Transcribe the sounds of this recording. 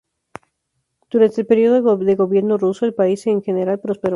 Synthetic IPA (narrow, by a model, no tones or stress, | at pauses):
d̪̥uɾant̪elpe̞ɾio̞ðoðe̞ɣo̞βje̞ɾnorusoelpaiseːŋxe̞neɾalpɾo̞speɾo